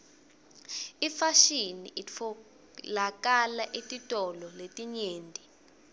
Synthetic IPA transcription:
ifaʃinḭʔiɔ | lak̬ʼalaʔitʼitʼɔlɔletʼiɲeːndʼʱi

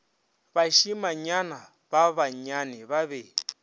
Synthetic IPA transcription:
βaʃimaɲana | baβaɲanɛβaβeːɺi

